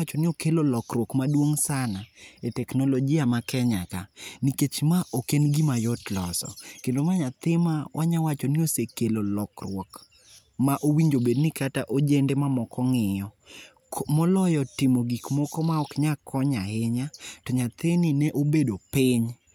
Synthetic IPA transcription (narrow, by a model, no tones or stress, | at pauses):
t͡ʃɔnɪokelolɔkɾwɔkmadwoŋsanaetɛknɔlɔd͡ʒɪamakɛɲakaniket͡ʃmaʔokenɡimajɔtlɔ̰sɔ̰kendomaɲat̪ɪmawʔaɲawat͡ʃɔnɪosekelolɔkrwɔk | maʔowiɲd͡ʒobednɪkataʔod͡ʒendɛmamɔkɔŋɪjɔ | mɔlɔjɔtɪmoɡikmɔkɔmaɔkɲakʰɔɲaheɲatɔɲat̪ɪnɪnɛʔobedopɪɲ